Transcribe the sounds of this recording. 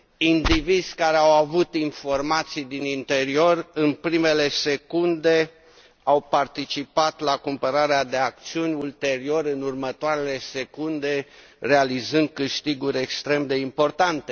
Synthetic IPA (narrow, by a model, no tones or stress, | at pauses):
ind̪ivid̪zʲkaɾeawavut̪info̞rmat̪sijd̪inint̪e̞ɾio̞rɨnpɾime̞le̞se̞kund̪e̞ | awpart̪it͡ʃipat̪lakumpəɾaɾead̪e̞akt̪siunʲult̪e̞ɾio̞ɾɨnurmət̪oaɾe̞le̞se̞kund̪e̞ | re̞alizɨnd̪̚kɨʃt̪iɡuɾʲe̞kst̪ɾe̞md̪e̞impo̞rt̪ant̪e̞